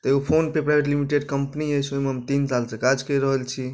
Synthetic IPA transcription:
t̪ɔeopʰonpepɾajbʱeʈlimiʈeɖkəmpniəjt͡ʃʰojmeɦəmt̪insalsekad͡ʒkəɾəɦəlt͡ʃʰi

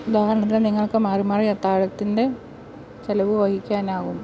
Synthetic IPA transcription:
ud̪aːɦɐrɐɳɐt̪̬ːileniŋːɐɭkɨmaːrimaːriɐt̪ːaːɻɐt̪ːinde̞ | t͡ɕelɐʋɨʋɐhikʲːaːnaːɣum

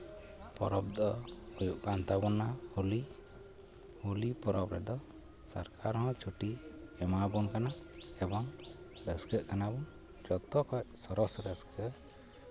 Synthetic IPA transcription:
pɔɾɔbd̪ɔujuʔkant̪abɔnahuli | hulipɔɾɔbɾɛ̰d̪ɔ | sa̰ɾkʰaɾɦɔ̃t͡ʃʰuʈiɛmabɔnkanaɛbɔŋ | ɾɛskəʔkanabɔn | d͡ʒɔt̪ɔkɔc̚sɔɾɔsɾɛskə

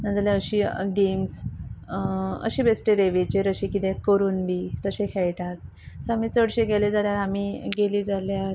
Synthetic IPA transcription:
nãd͡zaleəɕiːɡems | ə̰ɕiːbesʈeɾeʋet͡ɕeɾəɕiːkit̪ẽkəɾuːnbʱiːt̪əɕekʰɛjʈat̪̚ | səamiːt͡səɽɕeɡeled͡zaljaɾamiːɡeliːd͡zaljaɾ

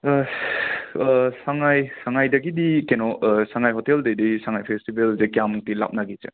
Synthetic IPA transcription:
saŋajsaŋajdɐɡidikenɔsaŋajɦɔteldejdisaŋajpʰestibelzekjamtila̰p̚naɡit͡ʃḛ

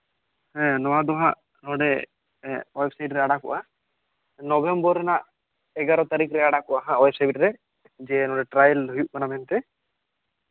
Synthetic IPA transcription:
hɛ̃nɔwad̪ɔɦaʔ | nɔɖɛ | ejbsajʈɾɛaɽakɔ̰ʔa | nɔbembɔɾɛnaʔ | ɛɡaɾɔt̪aɾikɾɛaɽakɔʔaɦãwjb̚saiʈɾɛ | d͡ʒɛnɔɖɛʈɾajəlɦujuʔkanamɛnt̪ɛ

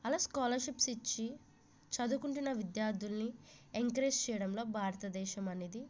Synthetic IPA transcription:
ɐlaːskaːlɐɾʃipsit͡ʃːi | t͡ʃɐd̪ukuɳʈunːɐʋid̪jaːɾd̪ʱulnieŋkɐɾeːst͡ʃɛːjɐɽɐmlo̞ːbʱaːɾɐt̪ɐd̪ɛːʃɐmɐneːd̪i

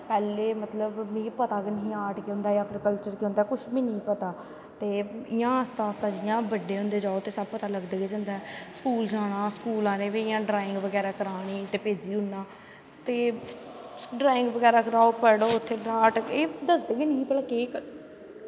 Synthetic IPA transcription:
pɛːleːmət̪ləbmĩːpət̪aːkenəɦĩːaːʈkeɦʊ̃ːnd̪aːjaːpʰəɾkəlt͡ʃəɾkeɦʊ̃nd̪aːkʊʃʰmĩːnĩːpət̪aː | t̪eːɪjãːəst̪aːəst̪aːd͡ʒɪjãːbəɖeːɦʊ̃nd̪eːd͡ʒaːoːt̪eːsəbpət̪aːləɡd̪eːɡeːd͡ʒãːnd̪aːskuːld͡ʒaːɽ̃ãːskuːlãːnẽːʋeːɪjãːɖɾaːɪ̃ŋɡʋəɡɛːɾaːkəɾaːɽiːt̪eːpeːd͡ʒiːɦʊnːaː | t̪eː | ɖɾaːɪ̃ŋɡʋəɡɛːɾaːkəɾaːoːpəɽoːʊt̪ʰːeːɖɾaːʈeːd̪əsd̪eːɡeːnĩːpəlaːkeːk

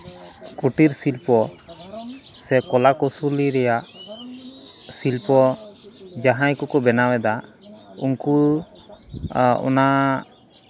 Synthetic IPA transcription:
kuʈiɾsilpɔ | sɛkɔlakɔsuliɾɛjaʔ | silpɔ | d͡ʒaɦãjkɔkɔbɛnawɛd̪a | unku | ɔ̰na

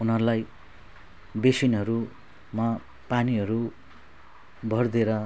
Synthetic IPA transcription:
unɦʌɾulaj | besinɦʌɾu | ma | paniɦʌɾu | bʱʌrd̪eɾʌ

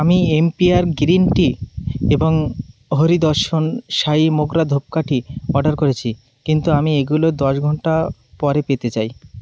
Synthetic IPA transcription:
amiempiaɾɡɾinʈieboŋɦoɾid̪ɔɾʃonʃaimoɡɾad̪ʱop̚kaʈʰiɔɖaɾkoɾet͡ɕʰi | kint̪uamieɡulod̪ɔʃɡʱɔɳʈapɔɾepet̪et͡ɕaj

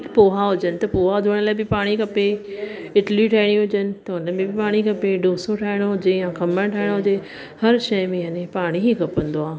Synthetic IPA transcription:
poːɦaɦʊd͡ʑənɪ̆t̪ɐpoːɦaɦʊd̪ʱʊɽ̃əlaːɪbɪpaːɽ̃ikɐpe | ɪʈliʈʰaːɪɽ̃iɦʊd͡ʑənɪ̆t̪ɐʊnə̆mẽbɪpaːɽ̃ikɐpeɖoːsoʈʰaːɦɪɽ̃oɦʊd͡ʑejãkɐməɽ̃ʈʰaːɪɽ̃oɦʊd͡ʑe | hɐɾʃɐjmẽɦɐnẽpaːɽ̃iɦikɐpə̃nd̪oaː

